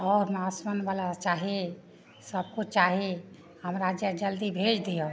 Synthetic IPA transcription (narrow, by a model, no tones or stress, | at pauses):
ɔːɾmasmənbalat͡ʃaɦe | səb̚kot͡ʃaɦe | həmɾad͡ʒjəd͡ʒəld̪ibʱed͡ʒd̪ijə